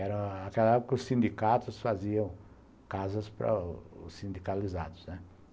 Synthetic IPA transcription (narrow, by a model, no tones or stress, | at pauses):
ɛɾɐ̃akɛlɐɛɡʊkʊsĩnd̪ikat̪ʊsfaziɐ̃w̃ | kazɐspɾɐ̰ʊ̰sːĩnd̪ikalizad̪ʊznɛ